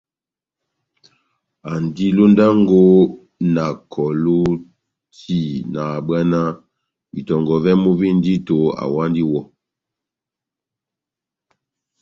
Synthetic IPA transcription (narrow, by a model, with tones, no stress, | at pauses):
a˨ndi˦lo˦nda˦ŋɡo˦ | na˨kʰɔ˨lo˦ | ti˦˨na˨ba˦na˦ | bi˨tɔ˨ŋɡɔ˨vɛ˦mu˦bi˦n˦di˦to˨a̰˨wa˦ndi˦wɔ˦